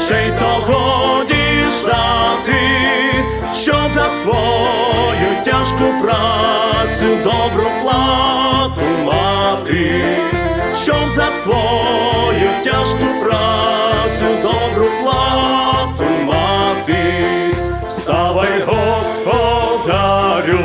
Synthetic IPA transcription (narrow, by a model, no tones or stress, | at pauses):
ʃẽj̃t̪aɣod̪iʃd̪at̪ɪ | ʃow̃zɐsvɔ | jʊt̪ʲaʃkʊpɾasʊd̪ɔbɾʊplˠat̪ʊmat̪i | ɕɔzɐsvɔ | jutʲaʂkʊpɾat̪sjʊd̪ɔbɾʊplˠa | t̪ʊmat̪ɨ | st̪avɐjɦɔspɔd̪aɾʲu